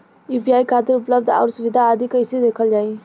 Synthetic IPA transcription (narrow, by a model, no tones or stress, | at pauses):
jupiaːikʰat̪ɪɾʊpləb̚d̪ʱɔ̰ːɾsʊʋɪd̪ʱaːd̪ikəɪsed̪eːkʰəld͡ʒaːi